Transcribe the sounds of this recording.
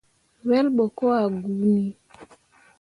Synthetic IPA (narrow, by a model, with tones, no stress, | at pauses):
wɛ˦lɓo˨ko˦a˨ɡu˨˦ni˦